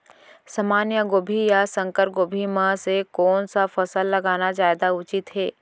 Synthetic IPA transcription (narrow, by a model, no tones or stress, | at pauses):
sɐmaːnjəɡoːbʱijasɐ̃ŋkəɾɡoːbʱimãsekɔːnsafɐsəlːɐɡaːnazaːed̪aʊt͡ʃɪt̪ɦɛː